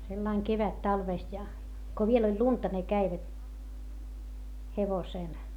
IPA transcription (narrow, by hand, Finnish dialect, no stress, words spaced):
selːɑiŋ keʋætːɑlʋeˑst jɑ ko ʋiel olʲ luntɑ ne kæiʋæt heʋoseˑl